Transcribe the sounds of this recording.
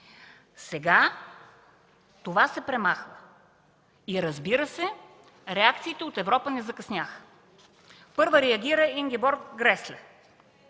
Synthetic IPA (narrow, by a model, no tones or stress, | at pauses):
sɛɡa | t̪ovasɛpɾɛmaxvə | iɾɐzbiɾəsɛ | ɾɛak̚t̪siːt̪ɛot̪ɛvɾɔpənɛzɐkɐsnʲaxə̥ | pɤɾvəɾɛɐɡʲiɾəiŋɡʲibɔɾt̪ɡɾɛslʲɛ